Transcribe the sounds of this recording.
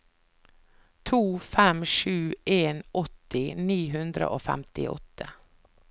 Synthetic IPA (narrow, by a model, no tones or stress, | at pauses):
t̪ʰuːfɛmʂʉːeːnʔɔt̪ɪniːɦʉnd̪ɾə̰ʔoːfæ̰mt̪ɪ̰ʔɔ̰t̪ʰə